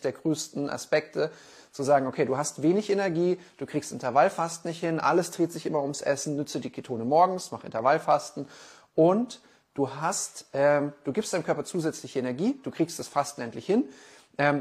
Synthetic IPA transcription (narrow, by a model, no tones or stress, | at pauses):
d̥eːɐɡʁøːstn̩ʔa̰spɛk̚tʰə | t͡suzaːɡŋ̩ʔokʰeːduːɦastv̥eːnɪçenɛɐɡiːd̥uːkʁ̥iːkstʔɪntɐvalfastn̩ɪçthɪnʔa̰ləsd̥ʁ̥eːtz̥ɪçʔɪmɐʊmsʔɛ̰sn̩nʏt͡sədiːkʰetʰoːnəmɔɐɡŋ̩smaχʔɪ̰ntɐvalfastn̩ | ʔʊnt | d̥uːɦastʔɛːmd̥uːɡiːpsd̥aɪnmkœɐpɐt͡suːzɛt͡slɪçəenɛɐɡiːd̥uːkʁ̥iːkstd̥asfastn̩ʔɛntlɪçhɪn | ʔɛːm